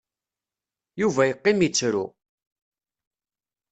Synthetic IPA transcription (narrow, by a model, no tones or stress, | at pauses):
juvæjəqːɪmit͡sːɾṵ